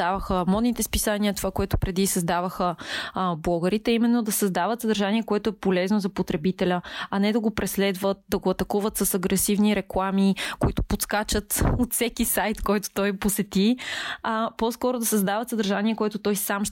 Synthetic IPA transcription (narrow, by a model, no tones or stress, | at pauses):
avəxəmɔd̪nit̪ɛspisaniət̪ovakoɛt̪ʊ̥pɾɛd̪isəzd̪avəxə | blˠɔɡəɾit̪ɛimɛnːod̪ɐsɐzd̪avət̪səd̪əɾʒaniɛkoɛt̪ʊɛpolɛznozɐpot̪ɾɛbit̪ɛlʲəɐnɛd̪ɐɡopɾɛslɛd̪vət̪̚d̪ɐɡoɐt̪ɐkuvət̪sɐsɐɡɾɛsivniɾɛklˠamikoit̪ʊ̥pot̪skat͡ʃət̪ot̪fsɛkisajt̪kɔjt̪o̥t̪ɔjposɛt̪i | pɔskɔɾʊd̪ɐsɐzd̪avət̪səd̪əɾʒanʲiɛkoɛt̪ʊt̪ɔjsamʃ